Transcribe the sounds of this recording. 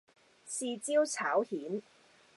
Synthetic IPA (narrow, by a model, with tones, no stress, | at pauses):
siː˧t͡siː˥wt͡sʰaː˨˥whiː˨˥n